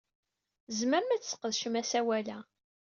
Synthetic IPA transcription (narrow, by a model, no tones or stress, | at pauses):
zməɾmæt͡sːsə̥qːəðʃəmæsæwælæ